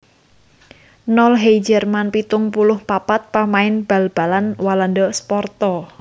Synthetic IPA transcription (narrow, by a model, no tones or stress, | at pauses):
nɔlɦejd͡ʒɛrmanpit̪ʊŋpulʊhpapat̪̚pamaɪnb̥a̤lb̥a̤lanwalandɔspɔrt̪ɔ